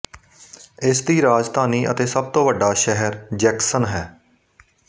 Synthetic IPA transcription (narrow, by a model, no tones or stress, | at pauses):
ɪsd̪iːɾaːd͡ʒd̪ʱaːniːʔə̰t̪eːsəb̚t̪õːʋəɖːaːʃɛɦəɾd͡ʒɛːksənɦɛː